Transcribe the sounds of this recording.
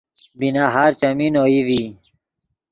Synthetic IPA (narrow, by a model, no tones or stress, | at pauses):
binaɦaːɾt͡ɕɐminoːiʋi